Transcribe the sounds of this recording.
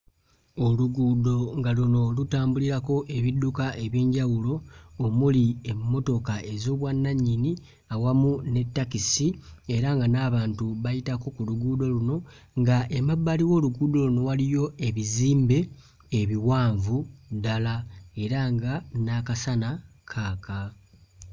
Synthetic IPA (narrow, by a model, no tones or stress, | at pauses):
o̞luɡuːdo̞ŋɡaluno̞lutaːmbuliɾako̞ʔe̞βidːukaʔe̞βje̞ːɲɟawulo̞ːmuliemːo̞to̞kaʔe̞zo̞ːβwanːaɲːini | awamune̞tːakisie̞ɾaŋɡanaːβaːntuβajitako̞kuluɡuːdo̞luno̞ | ŋɡaʔemabːaliwo̞ːluɡuːdo̞luno̞walijo̞e̞βiziːmbe̞ː | βiwaːɱvudalae̞ɾaŋɡanakasanakʰaːka